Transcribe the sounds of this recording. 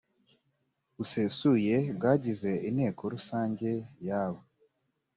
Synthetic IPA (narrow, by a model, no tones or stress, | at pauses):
usesuje̞bɡaːɟize̞ʔine̞ːkoɾusaːɲɟe̞jaːβo